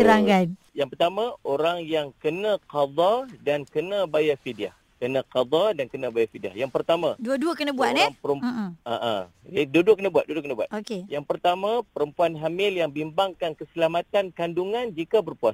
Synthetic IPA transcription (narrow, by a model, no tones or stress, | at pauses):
əɾaŋɡan | jaŋpərt̪amãoɾaŋjaŋkənãqɑd̪ɑdankənãbajafidia̰h | kənãqɑd̪ɑdankənãbajafidia̰hjaŋpərt̪amãduəduəkənə̃buaʔnɛaŋpəɾəmaʔa̰duəduakənabuat̪̚dudʊkənabua̰t̪okejaŋpərt̪amãpəɾəmpuanɦamɪljaŋbimbaŋkankəsəlamat̪ankanduŋãnd͡ʒikabərpua